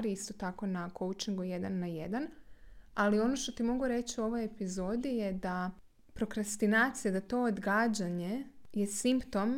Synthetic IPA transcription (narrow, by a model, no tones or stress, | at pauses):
ɾiist̪o̞t̪ako̞nakowt͡ʃiŋɡujed̪anːajed̪an | alio̞noʃt̪o̞t̪imo̞ɡuɾe̞t͡ɕiuo̞ʋo̞jepizo̞d̪ijed̪a | pɾo̞kɾast̪inaːt̪sijad̪at̪o̞od̪ɡaːd͡ʑaɲejesimpt̪o̞m